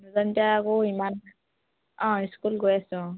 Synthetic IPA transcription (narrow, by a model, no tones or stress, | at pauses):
nuzantiaakoiman | ɔ̃iskulɡojasʊ̃